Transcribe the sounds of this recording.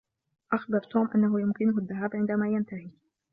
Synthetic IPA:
ʔaxbɑɾˤt̪uːmʔanːaɦʊjʊmkɪnʊhaðːaɦaːbʕɪnd̪amaːjant̪ahi

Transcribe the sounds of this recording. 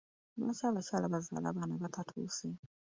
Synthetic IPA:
βa̰t͡ʃaβat͡ʃalaβaza̰ːla̰βanaβatʰatʰṵsi

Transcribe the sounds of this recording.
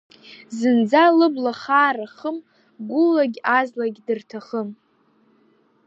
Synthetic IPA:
zɨnd͡zalɨblaχaːraχəm | ɡʷʊlaɡʲazlaɡʲdɨrtʰaχəm

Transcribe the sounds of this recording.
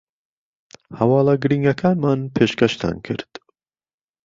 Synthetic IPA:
hɐwɑːlaɡɨɾiːŋɡɐkʰaːnmaːnpʰeːʃkɛʃt̪ʰa̰ːnkʰɨ̰ɾt̪

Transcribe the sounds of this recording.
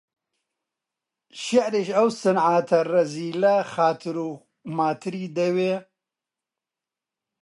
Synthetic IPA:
ʃɐʕɾeʃɐwsɨnʕaːt̪ʰɐrɐziːlɐxaːt̪ʰɨɾuː | maːt̪ʰɨɾiːd̪ɐweː

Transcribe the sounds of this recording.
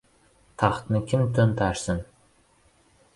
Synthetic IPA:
t̪ʰɑχt̪nɨkʰʲɪmt̪ʰɵnt̪ʰɑʃsɨn

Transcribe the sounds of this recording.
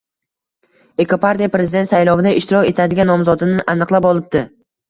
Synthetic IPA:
e̞kʰopaɾt̪ʲijapɾe̞zɪd̪et̪sajlˠɒvɪd̪aɪʃt̪ɪɾɒkʲe̞t̪ʰad̪ɪɡʲanːɒmzɒd̪ɪnɪʔanɨqlˠapɒlˠɪb̚d̪ɪ

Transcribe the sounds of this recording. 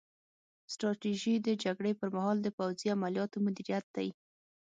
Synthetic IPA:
sʈɾɑʈiʒid̪əd͡ʒaɡɽepəɾmaɦɑld̪əpawziamaljɑt̪omʊd̪iɾijat̪̚d̪aj

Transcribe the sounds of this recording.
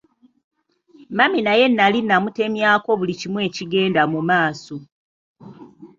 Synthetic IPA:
maminaje̞nːalinːamute̞mjaːko̞βulicimwe̞ːciɡe̞ːndamumaːso

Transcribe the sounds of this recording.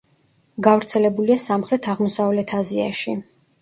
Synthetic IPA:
ɡavɾt̪sʰɛlɛbuliasamχɾɛt̪ʰaʁmɔsavlɛt̪ʰazia̰ʃi

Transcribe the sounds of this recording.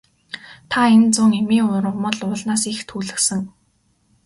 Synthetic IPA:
t̪ʰaent͡sʊŋemiːŋʊɾə̆ʁmə̆ɮʊːɮnaːsixt̪ʰuːɮɘ̆ksə̆ŋ

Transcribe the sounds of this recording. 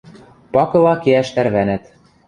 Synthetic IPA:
pɑkɤ̆lˠɑkeæʃt̪æɾβænæt̪

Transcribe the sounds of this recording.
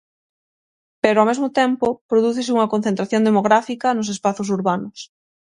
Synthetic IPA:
peɾoawmezmʊt̪ɛmpʊpɾoðuθesɪuŋɐkõn̟θent̪ɾaθjõnd̪emoɣɾafikɐnʊs̬espaθʊsuɾβanʊs

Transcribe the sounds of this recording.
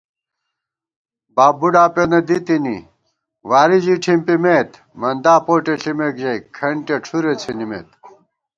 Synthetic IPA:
baːbuɖaːpenɐd̪it̪inḭ | waːɾid͡ʑiʈʰimpimeːt̪ | mɐnd̪aːpoːʈeɬimekʑɐjkʰɐɳʈeʈ͡ʂʰuɾet͡sʰinimḛːt̪

